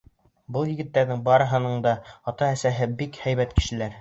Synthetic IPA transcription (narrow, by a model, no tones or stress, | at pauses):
bɤlˠjɘ̆ɡɘ̆t̪ːæɾðɘŋbɑɾɤ̆ɦɤ̆nɤɴd̪ɑɑt̪ɑæsæɦɘbikhæjβæt̪kɘ̥̆ʃɘ̆læɾ